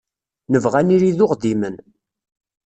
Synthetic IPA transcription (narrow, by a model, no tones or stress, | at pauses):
nəvʁæniɾiðʊqd̪imən